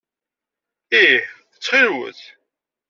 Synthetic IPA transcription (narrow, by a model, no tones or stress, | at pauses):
i | ət͡sːχiɾwə̰θ